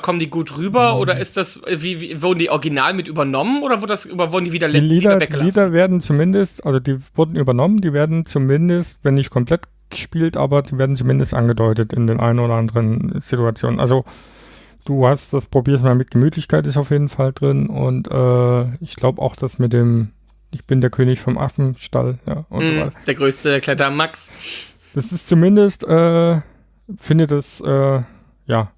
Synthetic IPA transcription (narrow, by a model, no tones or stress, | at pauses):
kʰɔməndiːɡuːtʁyːbɐʔoːdɐʔɪstd̥as | viːviːvʊɐdn̩diːʔɔɡina̰ːlmɪtʔyːbɐnɔmənʔoːdɐvɪɐdəasʔoːdɐvʊɐdn̩diːviːdɐliːliːdɐdɛilːdɐveːɐdn̩t͡sumɪndəstʔalzodiːv̥ʊɐdn̩yːbɐnɔməndiːveːɐdn̩t͡sumɪndəstvɛnːɪçt̚kʰɔmpl̥ɛt | ɡ̥ə̥ʃpiːltʔa̰ːbɐdiːveːɐdn̩t͡sumɪndəstʔa̰nɡədɔʏtətɪndeːnʔa̰ɪnənoːdɐʔandəʁənz̥ituat͡sjoːnənʔa̰lzo | d̥uːhastd̥aspʁ̥obiːɐs̬tmaːlmɪt̚ɡ̥əmyːtʰlɪçkʰaɪtɪstaʊfjeːdn̩faldʁɪnʊ̰ntʔɛːɪçɡ̥laʊbəʔa̰ʊxd̥asmɪt̚d̥eːm | ʔɪçb̥ɪndeːɐkʰøːnɪçfɔmʔa̰fn̩ʃta̰lja̰ːʔʊ̰nzovvaɪtɐd̥eːɐɡʁøːstəklɛtɐmaks | d̥asɪstt͡sumɪndəstʔɛː | fɪndədasʔɛː | jaː